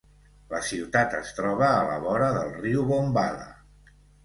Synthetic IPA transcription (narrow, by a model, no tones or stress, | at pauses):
ləsiwt̪at̪əst̪ɾɔβ̞əːlə̰βɔɾəðəlˠriwβombalə̰